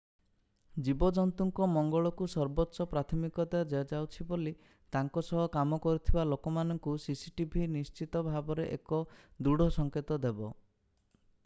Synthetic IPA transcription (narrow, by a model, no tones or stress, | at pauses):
d͡ʒibɔd͡ʒɔnt̪uŋkɔmɔŋɡɔɭɔkusɔɾbɔtːʃɔpɾat̪ʰɔmikɔt̪ad͡ʒɔɔd͡ʒawt͡ʃʰiboli | t̪aŋkɔsɔɦɔkamɔkɔɾit̪ʰibalokɔmanɔŋkusisiʈibʱinist͡ʃit̪ɔbʱabɔɾeʔekɔd̪uɽ̤ʱɔsɔŋket̪ɔd̪ebɔ